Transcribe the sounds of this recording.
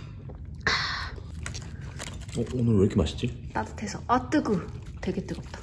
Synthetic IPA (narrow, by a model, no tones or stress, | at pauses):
a | ʌonɯɾɾkʰema̰ɕʰi̥d͡ʑ͈it͈adɯ̥tʰe̞sʰʌʌt͈ɯɡu | twe̞ɡet͈ɯɡʌp̚t͈ḁ